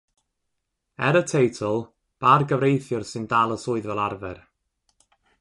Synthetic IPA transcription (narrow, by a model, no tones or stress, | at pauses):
ɛɾətʰejtʰəlˠ | b̥arɡəvrejθjʊrsɨndaːlˠəsʊɨðvɛlˠarvɛr